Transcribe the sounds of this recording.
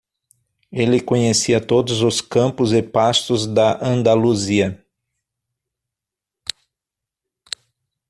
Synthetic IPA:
elɪkõɲesiɐt̪od̪ʊzʊskɐ̃mpʊzɪpast̪ʊzd̪ɐʔɐ̃nd̪aluziɐ

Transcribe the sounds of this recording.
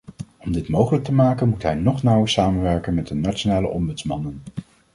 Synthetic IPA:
ɔmdɪtmowχələk̚təmaːkənmutɦɛjnɔχnʌwəɹsaːmənʋɛɹkənmɛdənat͡ʃonaːlə̰ʔɔmbɵtsmɑnən

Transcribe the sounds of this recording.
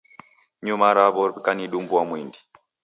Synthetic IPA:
ɲumaɾaβɔkaniɗumbuwamwindi̥

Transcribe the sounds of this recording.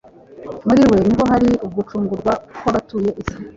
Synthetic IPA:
muɾiwe̞niβo̞ɦaɾiub̚ɡut͡ʃuːŋɡuɾɡwakoβatuːje̞ʔisi̥

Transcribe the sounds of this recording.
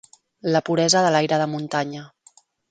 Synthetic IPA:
ləpuɾɛzəðəlajɾəðəmunt̪aɲə

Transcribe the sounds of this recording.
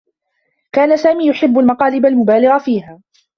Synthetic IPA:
kaːnasaːmiːjʊħɪbːalmɑqɑːlɪbalmʊbaːlɪɣafiːhaː

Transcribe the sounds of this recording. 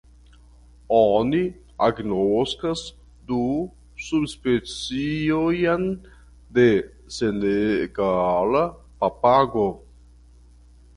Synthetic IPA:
ɔni | aɡnoskas | d̪u | subspet͡siojan | d̪e | seneɡala | papaɡo

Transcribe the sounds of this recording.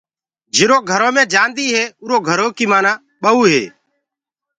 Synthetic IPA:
d͡ʒɪɾoːɡʱəɾoːmẽːd͡ʒãːnd̪iːɦeːʊːɾoːɡʱəɾoːkiːmaːnãː | ɓəuːɦḛː

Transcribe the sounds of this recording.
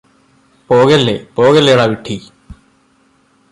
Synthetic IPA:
poːɣɐlːḛpoːɣɐlːejuɽaʋiʈʰːi

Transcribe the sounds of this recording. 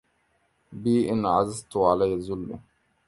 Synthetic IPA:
biːʔɪnʕazazt̪ʊʕalajːazʊlːʊ̰

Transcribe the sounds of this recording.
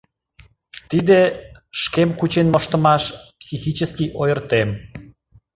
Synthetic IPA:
t̪id̪eʃkemkut͡ɕenmŏʃt̪əmɑʃpsʲixit͡ɕəskiʔojərt̪em

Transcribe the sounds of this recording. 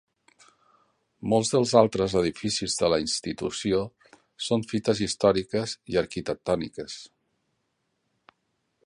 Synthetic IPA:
molˠzðəlˠzalˠt̪ɾəzəð̞ifisizðələinst̪it̪ṵsio | soɱfit̪əzist̪ɔɾikəziəɾkit̪ək̚t̪ɔnḭkəs

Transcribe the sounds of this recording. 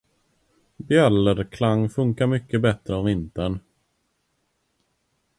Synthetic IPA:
bjœləɾkʰlaŋːfɵŋkaɾmʏkːəbɛt̪ɾəɔvɪnt̪əɳ

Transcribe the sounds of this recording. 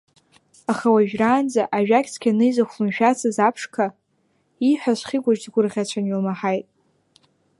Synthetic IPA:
aχawaʒᶣraːnd͡zaʔaʒᶣakʲʰʼt͡sʰkʲʰanɨjzaχʷlɨmʃᶣat͡sʰazapʰʂkʰa | iħʷᶣaʃʷχʲiɡʷaʒdɡʷʊrʁʲat͡ɕʷʰanolmaħajtʼ

